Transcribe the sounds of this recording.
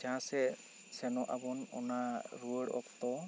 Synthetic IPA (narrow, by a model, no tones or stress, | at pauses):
d͡ʒãsɛ | sɛnɔʔa̰bɔnɔ̰naɹuɽɔ̰ktɔ